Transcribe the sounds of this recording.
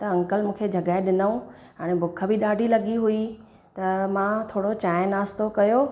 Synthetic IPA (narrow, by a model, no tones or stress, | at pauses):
t̪ɐɐ̃ŋkəlmũːkʰed͡ʑʱɐɡaːɪɗɪnəũ | ɦaːɽ̃ebʱʊkʰə̆bʱiɗaːɖʱilɐɠiɦui | t̪ɐmãt̪ʰoːɽot͡ɕaːjnaːst̪okɐjoː